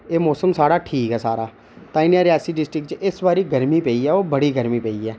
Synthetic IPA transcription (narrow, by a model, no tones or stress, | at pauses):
eːmɔːsəmsaːɽaːʈʰiːkɛːsaːɾaː | t̪aːɪnjaːɾɪjaːsiːɖɪsʈɾɪkt͡ʃɪsbaːɾiːɡəɾmiːpɛːiːɛːoːbəɽiːɡəɾmiːpɛːiːɛː